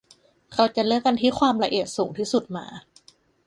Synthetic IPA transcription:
kʰa˧˥wt͡ɕa˨˩lɯ˥˩əka˧nt̪ʰiː˥˩xʰwaː˧mɾa˧ʔi˨˩t̪̚suː˩˦ŋt̪ʰiː˥˩su˨˩t̪̚ma̰ː˧˩

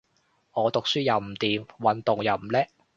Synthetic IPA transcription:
ŋɔː˨˧t̪ʊ˨k̚syː˥jɐ˨˧wm̩˨˩t̪iː˨mwɐ˨˥nt̪ʊ˨ŋjɐ˨˩wm̩˨˩lɛː˥

